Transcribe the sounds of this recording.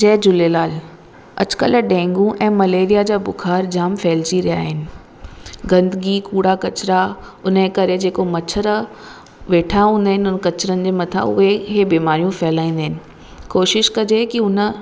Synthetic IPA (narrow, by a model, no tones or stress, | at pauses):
d͡ʑɛːd͡ʑʊleːlaːl | ɐ̰d͡ʑʊ̥kə̰ləɖɛ̃ːŋɡũʔɛ̃ːmɐleːɾijad͡ʑaːbʊkʰaːɾd͡ʑaːmfɛːɪlt͡ɕiɾija̰ːɦɪnɪ̆ | ɡɐ̃nd̪ɡikuːɽakɐt͡ɕɾaʊnẽkɐɾed͡ʑeːkomɐt͡ɕʰəɾ | ʋeːʈʰaɦũːn̆d̪aɦɪnɪʊnkɐt͡ɕɾənɪ̆d͡ʑeːmɐt̪ʰa̰ʊ̰ɦeɦebiːmaːɾijũfɛɦɪlaːĩnd̪aɦɪnɪ̆ | koːʃɪʃkɐd͡ʑekiʊnə̆